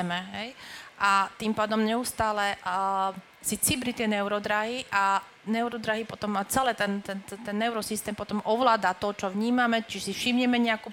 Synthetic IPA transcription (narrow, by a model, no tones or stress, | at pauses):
mɛɦɛjʔat̪impaːd̪ɔmɲɛust̪aːlɛ | sit͡sibɾit̪jɛnɛʊɾɔd̪ɾaɦiʔa | nɛʊɾɔd̪ɾaɦipɔt̪ɔmat͡sɛlɛːt̪ɛnt̪ɛnt̪ɛnːɛʊɾɔsist̪ɛːmpɔt̪ɔmʔɔʋlaːd̪at̪ɔt͡ʃɔʋɲiːmamɛt͡ʃiʒɛsifʃibɲɛmɛɲɛakuː